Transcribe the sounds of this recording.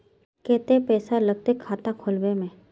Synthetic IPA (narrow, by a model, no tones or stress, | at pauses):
kɛːt̪epɛːsaləɡ̚t̪ekʰːaːt̪akʰʊlʋemẽ